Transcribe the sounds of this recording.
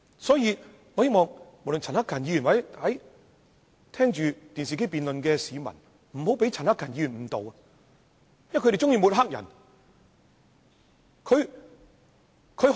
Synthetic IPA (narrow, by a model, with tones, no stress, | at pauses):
sɔː˨˥jiː˨˧ | ŋɔː˨˧he˥jmɔː˨˩ŋmo˨˩wlɵ˨nt͡sʰɐ˨˩nhaː˥kʰːɐ˨˩nji˨˧jy˨˩wɐ˨˥jɐ˨˥j | t̪ʰɛː˥ŋt͡ʃyː˨t̪iː˨ns̬iː˨ke˥jpiː˨nlɵ˨nkɛː˧siː˨˧mɐ̰˨˩n | m̩˨˩ho˨˥wpe˨˥jt͡sʰnhaː˥kʰːɐ˨˩njiː˨˧yː˨˩nm̩˨˩t̪o˨wɐ˧ | jkʰɾe˨t͡ʃt͡sʊ˥ŋjiː˧mu˨˧t̚ɦa˥k̚jɐ̰˨˩n | kʰɵ˨˧ɥ | kʰɵ˨˧˥